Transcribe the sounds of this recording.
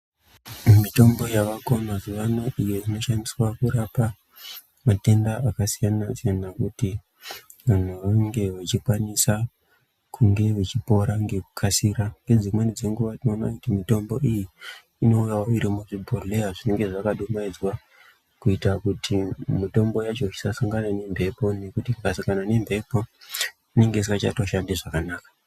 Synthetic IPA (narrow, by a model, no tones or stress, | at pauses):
mito̞mbo̞jaʋako̞mazuʋanoʔijoino̞ʃandiswakuɾapa | mate̞ndaakasijanasijanakuti | ʋan̤uʋaŋɡe̞ʋat͡ʃikwanisa | kʰuŋɡe̞ʋet͡ʃipo̞ɾaŋɡe̞ku̥kʰasiɾaŋɡenzimwenid͡zeŋɡuʋautinona̰kutimito̞mbo̞ijiː | no̞ujaoiɾimuʐibʱoleaʐine̞ŋɡe̞ʐakaɗumaid͡zwa | kuitakutʰimito̞mbo̞jat͡ʃo̞it͡ʃi̥sasaŋɡanane̞mbʱe̞po̞ne̞kutikasaŋɡanane̞mbʱe̞po̞ | ine̞ŋɡesikat͡ʃa̰to̞ʃandiʐakanaːkḁ